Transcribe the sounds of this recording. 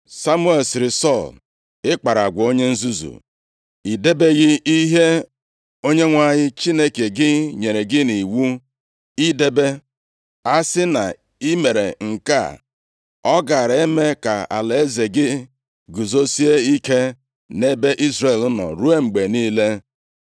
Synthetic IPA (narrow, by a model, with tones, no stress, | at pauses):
sa˦mu˦e˨lsɪ˨ɾɪ˨sɔ˦˨l | ɪ˦k͡pa˨ɾa˨ɡʷo˦ɲe˦n̩˦zu˦zṵ˨ | i˨de˦be˦ɣɪ˦i˦ɦe˦ | o˦ɲe˦ŋʷa˦ɲɪ˦t͡ʃi˦ne˦ke˨ɡɪ˦ɲe˨ɾe˨ɡɪ˦ni˨wu˦ | i˦de˦be˦ | a˦sɪ˦na̰˨ | i˦me˨ɾe˨ŋ̩˨ka̰˦˨ | ɔ˦ɡa˨ɾa˨e˦me˦ka˨a̰˨le˨e˦ze˨ɡɪ˦ | ɡu˨zo˦si˦e˦i˦ke˦ | ne˦be˦ʔi˦zɾe˨lʊ˦nɔ̰˨ɾu˦e˦ŋ͡m̩˨ɡ͡be˨niː˦le˦